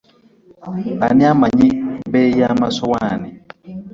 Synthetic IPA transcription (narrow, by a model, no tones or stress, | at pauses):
aniamaɲibɛjamasɔwanɪ